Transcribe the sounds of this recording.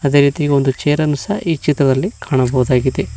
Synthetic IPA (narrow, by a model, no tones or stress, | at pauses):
ɐd̪e̞ɾiːt̪iɡeo̞nd̪ut͡ʃeːɾɐnusɐit͡ʃːit̪ɾɐd̪ɐlːikaːɳɐbɐwud̪aːɡid̪e